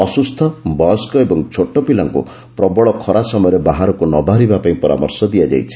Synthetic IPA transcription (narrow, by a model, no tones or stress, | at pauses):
ɔsust̪ʰɔbɔskɔebɔŋt͡ʃʰoʈɔpilaŋkṵ | pɾɔbɔɭɔkʰɔɾasɔmɔjɔɾebaɦaɾɔkunɔbʱaɾibapaĩpɔɾa̰mɔ̰ɾsɔd̪iad͡ʒa̰jt͡ʃʰi̥